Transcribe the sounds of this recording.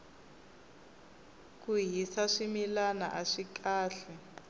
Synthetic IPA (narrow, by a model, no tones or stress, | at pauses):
kuɦisaʂimilana̰ʔaʂikaːɬɛ